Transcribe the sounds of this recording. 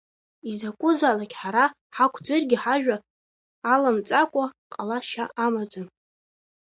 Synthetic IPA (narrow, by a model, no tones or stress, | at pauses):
izakʷʼʊzalakʲħaɾa | ħakʷʰd͡zɨrɡʲɪħaʒᶣaː | lamt͡sʼakʷʼaqʼalaʃaamad͡zʼɨn